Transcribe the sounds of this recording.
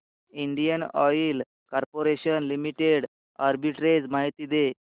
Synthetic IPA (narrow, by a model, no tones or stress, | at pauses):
iɳɖijənɔ̰il | kɔɾpoɾeɕənlimiʈeɽ | aɾbiʈɾed͡zmaɦit̪iːd̪e